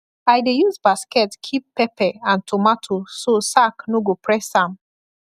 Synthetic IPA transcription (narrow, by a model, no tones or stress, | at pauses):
ajdejuzbaskɛtkʰippːɛpʰɛãntʰomatʰososaknoɡopʰɹɛsãm